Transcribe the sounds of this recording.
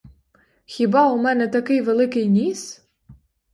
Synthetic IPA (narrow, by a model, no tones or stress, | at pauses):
xʲibɑumɛnɛt̪ɐkɪjʋelˠɪkɪjnʲis